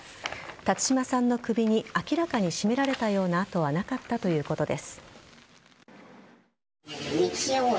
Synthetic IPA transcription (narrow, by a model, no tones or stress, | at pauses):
t̪at͡sɨ̥ɕimasãnːo̞kɯ̟bʲiɲ̟iakʲiɾakaɲ̟iɕime̞ɾaɾe̞t̪ajo̞ːnaːt̪o̞βanakat̪ːat̪o̞jɯ̟ːko̞t̪o̞d̪e̞sɨ̥ | i